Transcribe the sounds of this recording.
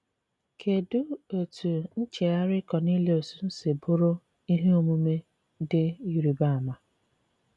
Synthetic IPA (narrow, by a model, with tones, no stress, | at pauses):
kʰe˨dʊ˦o˨tʰu˨n̩˦t͡ʃe˨a˦ɾɪ˦kɔ˨ni˦le˦o˨su˦n̩˦se˨bʊ˦ɾʊ˦ | i˦ɦe˦o˨mu˦me˦ | dɪ˦i˦ɾi˨ba˦˨a˨ma˨